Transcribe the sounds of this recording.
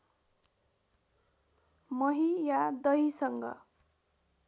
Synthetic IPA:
mʌɦijad̪ʌisʌŋɡʌ̰

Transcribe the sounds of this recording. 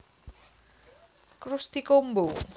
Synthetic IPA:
kɾʊst̪ikombo

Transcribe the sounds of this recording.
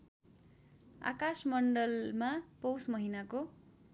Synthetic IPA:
a̰kasmʌɳɖʌlmapowsmʌɦinako

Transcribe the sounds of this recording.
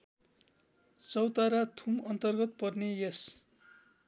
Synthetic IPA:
t͡sʌwt̪aɾat̪ʰumʌnt̪ʌrɡʌt̪̚pʌrnejʌs

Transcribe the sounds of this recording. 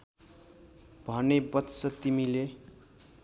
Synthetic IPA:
bʱʌnebʌt̪sʌt̪imile

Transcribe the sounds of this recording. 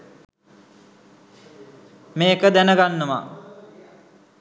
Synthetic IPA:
meːkəd̪ænəɡanːəʋa̰

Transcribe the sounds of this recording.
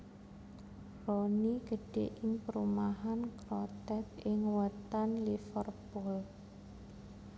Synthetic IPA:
rɔniɡ̥əɖ̥eʔɪŋpəɾumaɦankɾɔt̪ɛt̪̚ɪŋwət̪anlifərpʊl

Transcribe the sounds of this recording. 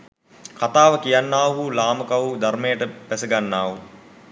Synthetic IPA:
kat̪aːʋəkijanːaːɦulaːməkaʋud̪ʱarmejəʈəpæsəɡanːaːɦu

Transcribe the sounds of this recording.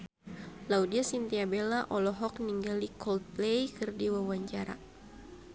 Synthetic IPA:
laudiasint̪iabelaʔɔlɔɦɔk̚niŋɡalikɔlt̪̚plejkɨrdiwawaɲt͡ʃaɾa̰

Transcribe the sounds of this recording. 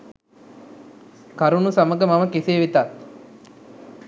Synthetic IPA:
kaɾunusaməɡəmaməkiseːʋit̪a

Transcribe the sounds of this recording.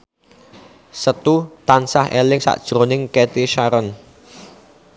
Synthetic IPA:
sət̪ut̪ansahelɪŋsa̰ʔd̥ʒ̥ɾonɪŋkɛt̪iʃaɾən

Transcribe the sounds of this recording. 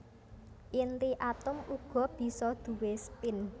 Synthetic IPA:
ʔint̪iʔat̪ʊmuɡ̥ɔ̤b̥i̤sɔd̪̥ṳwespɪn

